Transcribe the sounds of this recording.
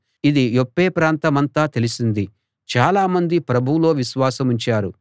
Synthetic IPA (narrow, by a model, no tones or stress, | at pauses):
id̪iopːeːpɾaːnt̪ɐmɐnt̪aːt̪e̞lisind̪i | t͡ʃaːlaːmɐnd̪ipɾɐbʱulo̞ːʋiʃʋaːsɐmuɲt͡ʃaːɾu